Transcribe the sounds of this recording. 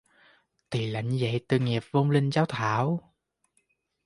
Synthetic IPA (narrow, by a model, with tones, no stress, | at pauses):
t̪i˨˩la̰˧˨jŋ̟zə̰˧˨jt̪ɨ˨˩ŋi˨˩əp̚vo˧ŋ͡mlï˧ŋ̟zaː˨˦wt̪ʰaː˧˦w